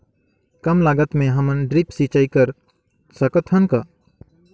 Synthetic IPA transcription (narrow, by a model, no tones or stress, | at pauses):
kəmlaɡət̪mẽɦəmənɖɾipsit͡ʃaikəɾ | səkət̪ʰɦənkə